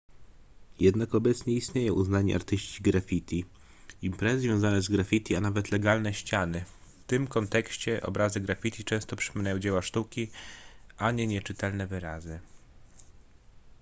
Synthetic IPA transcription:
jɛd̪nakɔbɛt̪sɲɛist̪ɲejɛʔuznaɲḭʔa̰ɾt̪ɘɕt͡ɕiɡɾafʲit̪ʲi | impɾɛzɛzʲvʲjɔ̃w̃zanɛzɡɾafʲit̪ʲianavɛt̪lɛɡalnɛɕt͡ɕanɘ | ft̪ɘmkɔnt̪ɛkɕt͡ɕɛʔɔ̰bɾazɘɡɾafʲit̪ʲit͡ʂɛ̃w̃st̪ɔpʂɘ̥pɔmʲinajɔ̃w̃d͡ʑɛwaʂt̪ukʲi | aɲɛɲɛt͡ʂɘt̪ɛlnɛvɘɾazɘ

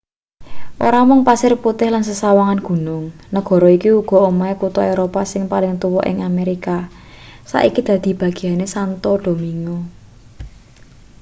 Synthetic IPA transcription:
ʔo̰ɾamʊŋpasɪrput̪ɪhlansəsawaŋanɡ̥ṳnʊŋ | nəɡ̥ɔ̤ɾɔikiuɡ̥ɔ̤omaekut̪ɔeɾopasɪŋpalɪŋt̪uwɔʔɪ̰ŋameɾika | sa̰ʔikid̪̥ä̤d̪̥i̤b̥ä̤ɡ̥i̤anesant̪ɔɖ̥o̤miŋɔ

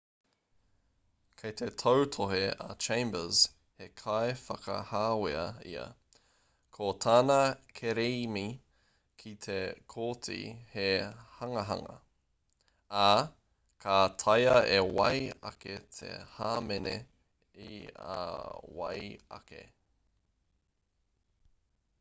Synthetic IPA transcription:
kʰejt̪ʰetʰowtʰoɦeat͡ʃʰẽj̃mbəz̥ | hekʰaefɐkɐ̰haːweɐḭɐ̰ | kʰot̪ʰaːnakʰeɾeimi | kʰit̪ʰekʰoːt͡sḭhehɐŋɐɦɐ̰ŋɐ̰ | a | kʰat̪ʰɐjɐewɐ̰jɐ̰ket̪ʰḛhaːmenḛ | ia̰wɐ̰jɐ̰kḛ

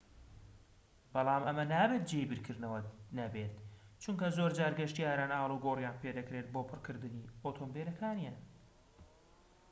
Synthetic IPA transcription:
bɑlˠɑːmʔɐmɐnaːbeːt̪̚d͡ʒeibɨɾkʰɨɾnɐwɐnɐbeːt̪t͡ʃuŋkɐzoːɾd͡ʒaːɾɡɐʃt̪iaːɾaːnʔaːlˠuɡoːrjaːnpʰed̪ɐkɾet̪̚bopʰɨrkʰɨɾd̪ɨniot̪ʰoːmbeɾɐkʰaːnijaːn

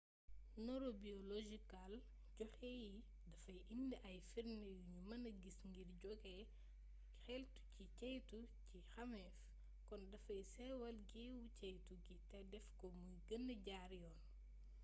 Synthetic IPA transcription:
nɔɾobiɔloʒikal | ɟɔxɛːji | dɐfɐjʔindiʔɐjfiɾnəjuɲumɐnɐɡisŋɡirɟɔɡɛ | ɐkxɛltu̥cicɐjtucixɐmɛf | kɔndɐfɐjsɛwɐlɡiwucɐjtuɡitɛdɛfkɔmujɡənːəɟaɾjɔːn

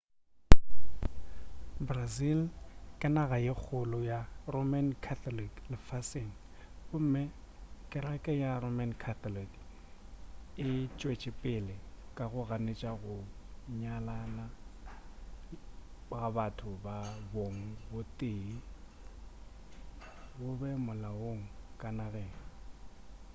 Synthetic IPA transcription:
brazilkʼɪnaɣajɪk͡xʰʊlɔjaromankʰatɔliklɪfasɪn̩ | bʊm̩mɪ | kʼɪɾakʼɛjaromankʰat̪ɔlik | ɪt͡ʃʼwet͡ʃʼɪpʼɪlɪkʼaɣʊɣanet͡ʃʼaɣʊɲalana | ɣabatʰʊbaboŋ̩bʊtʼeː | ɣʊbɛmʊlawoŋ̩kʼanaɣeːŋ̩

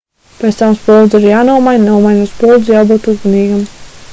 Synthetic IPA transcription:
pʲeɛt̪t̪amspɔlˠd̪zʲiɾjaːnuɔmajnʲnaɔmajnaspɔlˠd̪zjawbuːt̪uzmaniːɡam

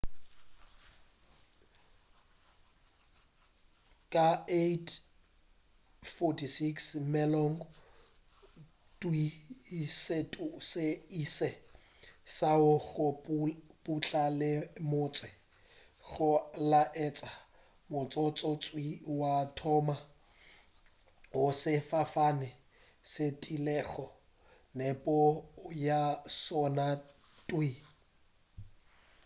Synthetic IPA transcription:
kʼaetʰ | fɔtʰisiksmɛlɔŋ | tʼwi | setʼusɪisɛ | saʊɣʊ | pʼut͡ɬʼalɪmʊːt͡sʼwɛ | ɣʊlaʔɛt͡sʼa | mʊt͡sʼɔt͡sʼɔt͡sʼwiwatʰɔma | ʊsɪfafanɪ | setʼilɛːɣɔ | nepʼɔjasɔna | tʼwi

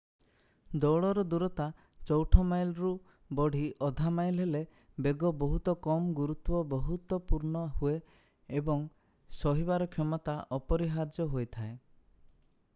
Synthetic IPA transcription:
d̪ɔwɭɔɾɔd̪uɾɔt̪a | t͡ʃɔwʈʰɔmajlɾu | bɔɽ̤iʔɔd̪ʱamajlɦele | beɡɔbɔɦut̪ɔkɔmɡuɾut̪bɔbɔɦut̪wɔpuɾɳɔhueː | bɔŋ | sɔɦibaɾɔkʰjɔmɔt̪aʔɔpɔɾiɦad͡ʒjɔɦojt̪ʰae

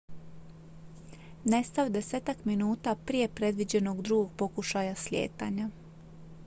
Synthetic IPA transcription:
ne̞st̪aʋd̪e̞seːt̪akminuːt̪apɾije̞pɾe̞d̪ʋid͡ʑe̞no̞ɡd̪ɾuɡo̞ɡ̚po̞kuʃajasʎʲe̞̰ːt̪a̰ɲa

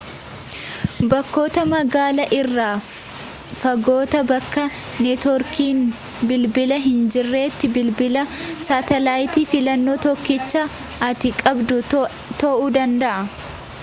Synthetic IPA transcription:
bɐkːo̞ːt̪ɐmɐɡaːlɐʔɪrːaː | fɐɡo̞ːt̪ɐbɐkːɐ | net̪ɔɾkʰiːn | bɪlbɪlɐɦɪnd͡ʒɪrːe̞ːt̪ːɪbɪlbɪlɐsaːt̪ɛlaːjt̪iːfɪlɐnːoːt̪ɔkːɪt͡ʃːɐ | ɐt̪ɪkʼɐbd̪ʊ | t̪ɐʔuːd̪ɐnd̪ɐʔɐ

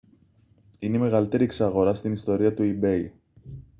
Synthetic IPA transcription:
ineime̞ɣɐlit̪e̞ɾieksɐɣo̞ɾɐst̪inist̪o̞ɾiɐt̪uibe̞j

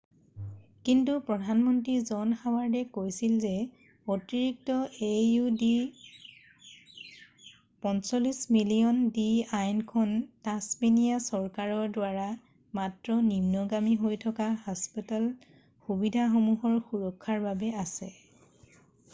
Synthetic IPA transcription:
kintupɹɔdʱanmɔntɹizɔnxawaɹdɛkojsilzɛ | otiɹik̚tɔejudi | pɔnsɔlismilijɔndiajnkʰɔntasminijasɔɹkaɹɔɹdwaɹa | matɹɔnimnɔɡamiɦojtʰɔkaɦaspital | xubidʱaxɔmuɦɔɹxuɹɔkʰːaɹbabɛasɛ

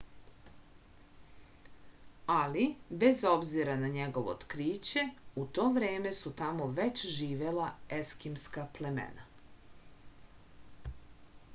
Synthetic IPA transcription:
alibe̞zo̞bziɾanaɲe̞ɡoʋot̪kɾiːt͡ɕe̞ut̪o̞ːʋɾeːme̞sut̪amo̞ʋe̞t͡ɕʒiːʋe̞lae̞skimskaple̞mḛna

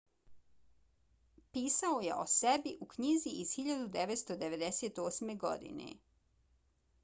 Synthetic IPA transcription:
piːsaojḛʔo̞̰sebiʔukɲiziʔiz̥xiʎad̪ud̪eʋet̪st̪o̞d̪e̞ʋed̪eseːt̪oːsme̞ɡo̞̰d̪ḭnḛ

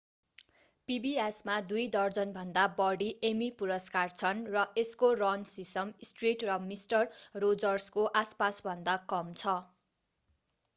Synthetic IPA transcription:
pibiesmad̪ujd̪ʌrd͡zʌnbʱʌnd̪abʌɽiʔemipuɾʌskart͡sʰʌnrʌeskorʌnsisʌmsʈriʈrʌmisʈʌrːod͡zʌrskoʔaspasbʱʌnd̪akʌmt͡sʰʌ

